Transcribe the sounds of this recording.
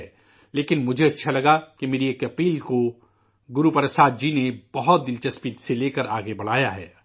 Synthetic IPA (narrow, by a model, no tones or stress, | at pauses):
leːkɪnmʊd͡ʒʱeɐtːʃʰalɐɡakimeːɾieːkɐpiːlko | ɡʊɾupɐɾəsaːt̪̚d͡ʒinebɐɦɔt̪̚d̪ɪlt͡ʃɐspiːt̪seleːkəɾaːɡebɐɽ̤aːjaɦɛ̰ː